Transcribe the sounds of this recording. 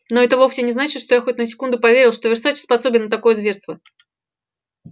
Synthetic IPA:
no̞ɛt̪əvofsʲɪnʲɪznat͡ɕɪt̪ʂt̪ojaxotʲnəsʲɪ̥kund̪ʊpɐvʲeɾʲɪlˠʂt̪o̞vʲɪrsat͡ɕspɐsobʲɪnːət̪ɐko̞jəzvʲe̞rst̪və

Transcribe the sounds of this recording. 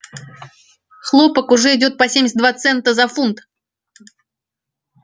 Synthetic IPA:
xlˠopəkʊʐɛɪdʲot̪̚pɐsʲemʲɪsʲtd̪vat̪sɛnt̪əzɐfunt̪

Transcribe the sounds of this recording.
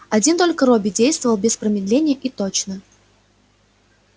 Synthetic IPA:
ɐdʲint̪o̞lʲkəɾobʲɪdʲejst̪vəvəlˠbʲɪspɾəmʲɪd̪lʲenʲɪjəʔit̪ot͡ɕnə

